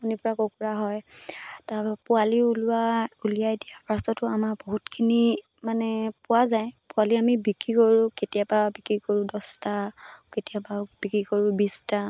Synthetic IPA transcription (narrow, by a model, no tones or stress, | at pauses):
unipɔɹakokuɹaɦɔjtapʊaliulʊaulijadijapɹastɔtʊamaboɦutkʰini | manɛpʊwazaj̃pʊaliamibikɹikoɹũketijababikɹikoɹʊ̃dɔstaketijababikɹikoɹʊ̃bista